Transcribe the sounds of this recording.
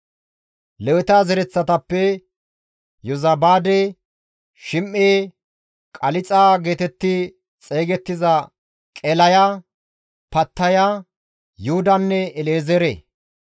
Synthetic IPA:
lɛwɪt̪aːzɛɾɛt͡sːɐt̪ɐpːɛ | jɔzɐbaːd̪e | ʃɪmʔːeː | kʼɐlɪt͡sʼaːɡe̞ːt̪ɛt̪ːɪ | t͡sʼeːɡɛt̪ːɪzɐ | kʼɛlɐja | pɐt̪ːɐja | jʊhʊd̪ɐnːɛɛleːzɛɾḛ

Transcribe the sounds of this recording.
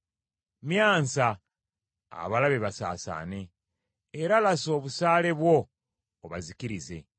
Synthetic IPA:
mjaːnsa̰ː | βalaβe̞βasa̰ːsa̰ːne̞ː | ɾalaso̞ːβusaːle̞βwo̞ː | βazikiɾize̞̰

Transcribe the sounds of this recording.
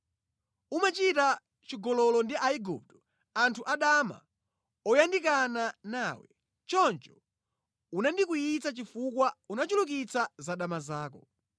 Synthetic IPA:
umat͡ʃita | t͡ʃiɡɔlɔlɔndiʔaiɡṵp̚tɔ | antʰuʔaɗama̰ | ɔjandikananaːwɛ | t͡ʃɔnt͡ʃɔ̥ | unandik̬ujit͡sat͡ʃifukwaunat͡ʃuluk̬it͡sʰazaɗamazaːk̬ɔ

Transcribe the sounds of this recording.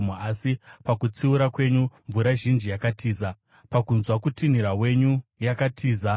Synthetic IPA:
masipakut͡siuɾakwe̞ɲuɱvuɾaʒind͡ʒijakatʰiːza | pakunzwakutin̤iɾawe̞ɲujakatʰiːza

